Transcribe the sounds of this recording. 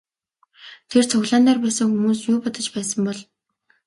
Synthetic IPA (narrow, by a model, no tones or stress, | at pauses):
t̪ʰert͡sʰʊɣɮaːnt̪aːrpæːsə̆ŋxumuːsjʊːpɔt̪ɞ̆t͡ɕpæːsə̆mpɔɮ